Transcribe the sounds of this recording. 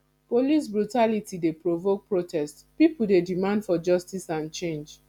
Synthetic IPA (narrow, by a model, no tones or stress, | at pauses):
polis̬bɹutalitidepɹovok̚pɹotʰɛst | pipuldedimãndfɔd͡ʒɔstisãnt͡ʃẽnd͡ʒ